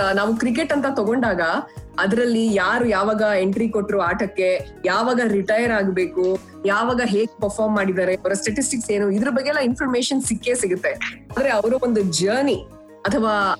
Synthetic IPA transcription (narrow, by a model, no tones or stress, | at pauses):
naːʋukɾikeʈːɐnt̪ɐt̪ɔɡoɳɖaːɡɐɐd̪ɐɾɐlːijaːɾujaːʋaːɡɐeɳʈɾikoʈːɾuaːʈɐkːe̞ | jaːʋaːɡɐɾiʈɐjɐɾaːɡbe̞ːku | jaːʋaːɡɐɦe̞ːɡupɐɾpʰaːɾmːaːɽid̪aːɾeɐʋɐɾɐsʈɐʈisʈikse̞ːnuid̪ɐɾɐbɐɡːeɛlːɐinpʰɐɾmeːʃɐnsikːesiɡut̪ːe̞aːd̪ɐɾe̞ɐʋɐɾuond̪ud͡ʒɐːni | ɐt̪ʰɐʋaː